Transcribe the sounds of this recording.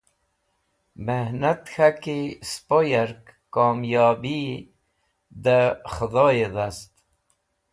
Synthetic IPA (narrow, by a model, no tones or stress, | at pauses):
mehnat̪xakispojaɾkkoːmjɑːbi | d̪əxəd̪oːjeðast̪